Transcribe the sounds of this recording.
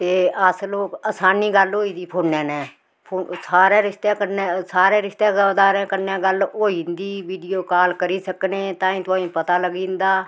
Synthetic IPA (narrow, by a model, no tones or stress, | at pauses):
t̪eːəsloːkəːsaːniːɡəlɦoːiːd̪iːpʰoːnːɛ̃ːnɛ̃ː | pʰoːsaːɾẽːɾɪʃt̪eːkəɾneːsaːɾẽːɾɪʃt̪eːd̪aːɾẽːkəɾnẽːɡəlɦoːiːnd̪iːʋiːɖijoːkaːlkəɾiːsəkneːt̪ãːĩːt̪ʊãːĩːpət̪aːləɡĩːnd̪aː